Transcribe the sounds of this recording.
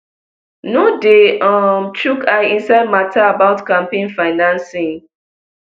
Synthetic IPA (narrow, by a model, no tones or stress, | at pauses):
nodeɔ̃mt͡ʃukʰaɪĩnsaɪd̚matʰaːbaʊtkãmpẽnfaɪnãnsĩŋ